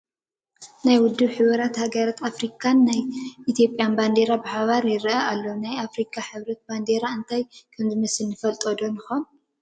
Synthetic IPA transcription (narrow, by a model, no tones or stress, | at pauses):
najwʊd̪ːɨβħɨβɐɾat̪haɡɐɾat̪ʰafɾikʼʰanːajit̪ʰjo̞pʼːjanband̪e̞ɾabɨħaβaɾjɪɾʔaʔalːo̞najafɾikʰʼaħɨβɾɐt̪̚band̪eɾaɨnt̪ʰajkʰɐmzɨmɐsɨlːɨfɐlt̪ʼod̪onɨxom